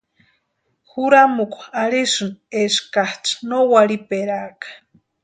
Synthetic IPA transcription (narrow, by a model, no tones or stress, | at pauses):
xuɾamukʷaɾiʂɨneskaht͡ʃnowaɾipeɾakḁ